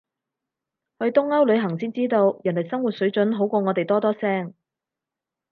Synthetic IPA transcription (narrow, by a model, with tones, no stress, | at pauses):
hɵ˧ɥt̪ʊ˥ŋɐ˥wlɵ˨˧ɥɦɐ˨˩ŋsiː˥nt͡siː˥t̪o˧wjnlɐ˨˩jsɐ˥ŋwuː˨t̚sɵ˨˥ɥt͡ʃɵ˨˥nɦo˨˥wkʷɔː˧ŋɔː˨˧t̪e˨jt̪ɔː˥t̪ɔː˥sɛː˥ŋ